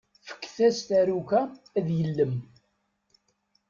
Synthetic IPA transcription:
fə̥kːθæst̪æɾukæ | æðjəlːəm

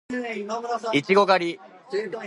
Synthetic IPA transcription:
it͡ɕiɡo̞ɡaɾʲi

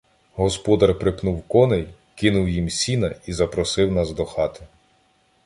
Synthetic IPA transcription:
ɦɔspɔd̪ɐrpɾɪpnuwkɔnej | kɪnʊwjimsʲinɐizɐpɾɔsɪwnɑzd̪ɔxɑt̪ɪ̥

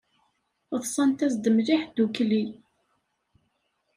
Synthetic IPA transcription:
ðsˤɑnt̪æsd̪əmliħd̪̥ukli

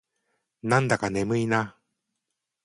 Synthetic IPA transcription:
nãnd̪akanemɯina

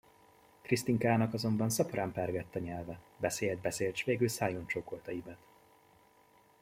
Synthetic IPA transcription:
krist̪iŋkaːnɒkɒzo̞mbɒnsɒpraːmpɛrɡɛt̪ːɒɲɛlvɛ | bɛseːld̪̚bɛseːlt͡ʃʋeːɡylsaːjont͡ʃokolt̪ɒjibɛt̪

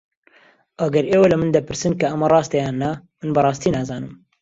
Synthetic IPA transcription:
ʔɐɡɐɾʔeːwalɨmɨnd̪ɐpɨɾsɨnkɐʔɐmɐrˤɑːst̪ejɑːnːɐmɨnbɨrˤɑːst̪iːnaːzɑːnɨm

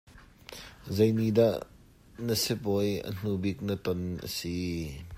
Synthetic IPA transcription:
zɐjnidaʔ | nəsɪp̚ɔjə̰n̥ubɪk̚nət̪ɔnʔə̰si

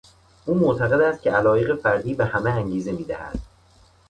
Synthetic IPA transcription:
ʔuːmoʔt̪ʰæɣe̞d̪æst̪̚cʰe̞ælɒːje̞ɣe̞fæɾd̪iːbe̞hæmeæŋɟiːze̞miːd̪æhæ̰d̪̥

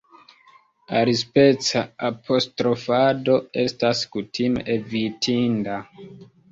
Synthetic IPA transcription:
aɾispe̞t͡saapʰo̞stɾo̞fado̞e̞staskutʰimḛʔevitʰinda

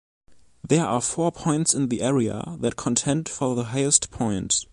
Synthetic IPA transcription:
ðɛ˞afɔɹpʰɔ̃ɪ̃ntsɪ̃nðiʔɛɹiə̰ðɨt̚kʰɔ̃ntʰɛ̃nd̥fɔðəɦaɪəstpʰɔ̃ɪ̃nt

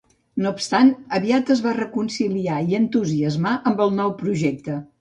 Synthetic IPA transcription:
nopst̪anəβiat̪əzβarəkunsiliaiənt̪uziəzmaʔəmbəlˠnɔwpɾuʒɛk̚t̪ə

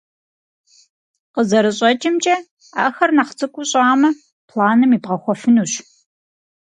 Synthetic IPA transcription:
qəzɐɾɨɕʼɐt͡ʃʼɪmt͡ʃʼɐ | a̰ːxɐrnɐχt͡sʰɨkʷʼʊɕʼaːmɐ | pʰlaːnɨmiːbʁɐxʷɔfɨnuːɕ

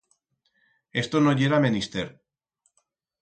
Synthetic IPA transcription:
est̪onoʝeɾamenist̪eɾ

